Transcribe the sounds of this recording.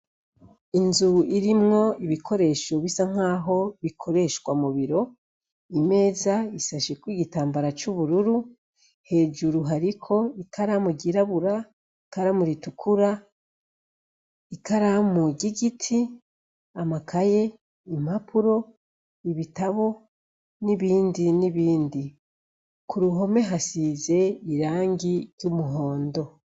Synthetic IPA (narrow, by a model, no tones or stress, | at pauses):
inzuiɾimŋo̞iβikʰo̞ɾe̞ʃoβisaŋ̥aːɦo̞βikʰo̞ɾe̞ʃkwamuβiɾo̞ | ime̞ːzaisaʃekwiːɡitaːmbaɾat͡ʃuβuɾuɾu | he̞ːd͡ʒuɾuɦaɾikʰo̞ikʰaɾamuɟiɾaβuɾa | iikaɾamuɾitukʰuɾa | ikaɾamuɟiɡitʰi | amakʰaje̞ | imapʰuɾo̞ | iβitaβo̞ | niβiːndiniβiːndi | kuɾuɦo̞me̞ɦasize̞iɾaːŋɡiɾɟumuɦo̞ːndo̞